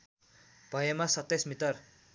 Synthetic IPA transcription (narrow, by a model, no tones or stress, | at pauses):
b̥ʱʌjemasʌt̪ːesmit̪ʌr